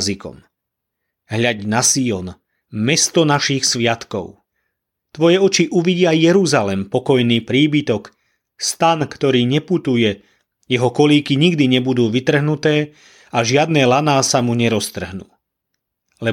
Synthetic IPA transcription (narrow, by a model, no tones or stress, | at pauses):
zikɔ̰m | ɦʎaɟnasiɔn | mɛst̪ɔnaʃixsʋɪat̪kɔ̰ʊ | t̪ʋɔjɛɔt͡ʃiʔuʋiɟɪajjɛɾuzalɛmpɔkɔjniːpɾiːbit̪ɔk | st̪ankt̪ɔɾiːɲɛput̪ujɛ | jɛɦɔkɔliːkiɲiɡd̪iɲɛbud̪uːʋit̪r̩ɦnut̪ɛː | aʒɪad̪nɛːlanaːsamuɲɛɾɔst̪r̩ɦnṵː | lɛ